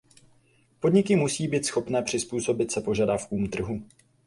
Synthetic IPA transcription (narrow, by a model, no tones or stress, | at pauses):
po̞dɲɪkɪmusiːbiːt̪sxo̞pnɛːpr̥ɪspuːso̞bɪt̪sɛpo̞ʒadafkuːmt̪r̩ɦu